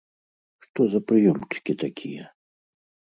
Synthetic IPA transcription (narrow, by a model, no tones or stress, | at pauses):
ʂt̪ɔzɐpɾɨjɔmt͡ʂɨ̥kʲit̪akʲʰijɛ